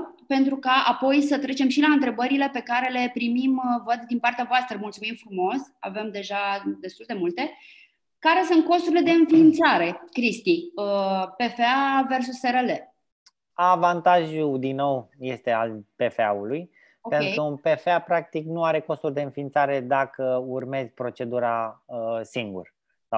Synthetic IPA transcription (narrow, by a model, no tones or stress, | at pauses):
pe̞nt̪ɾukaʔapo̞jsət̪ɾe̞t͡ʃe̞mʃilaɨnt̪ɾe̞bəɾile̞pe̞kaɾe̞le̞pɾimimvət̪̚d̪inpart̪eavoast̪ɾəmult̪sumimfɾumo̞sa̰ve̞md̪e̞ʒad̪e̞st̪uld̪e̞mult̪e̞ | kaɾe̞sunt̪̚ko̞st̪uɾile̞d̪e̞ɨnfiːnt̪saɾe̞kɾist̪iəpe̞feave̞rs̬useɾele̞ | avant̪aʒud̪inːo̞wje̞st̪e̞alpe̞feauluj | opent̪ɾuunpe̞feapɾak̚t̪iknuaɾe̞ko̞st̪urʲd̪e̞ɨnfiːnt̪saɾe̞d̪akəurme̞zʲpɾo̞t͡ʃe̞d̪uɾaəsiŋɡṵr | a